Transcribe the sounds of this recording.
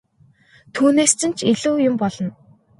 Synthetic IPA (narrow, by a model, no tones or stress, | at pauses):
t̪ʰuːneːst͡sɘ̆n̥t͡ɕʰiɮuːjʊmpɔɮ̥ɞ̆n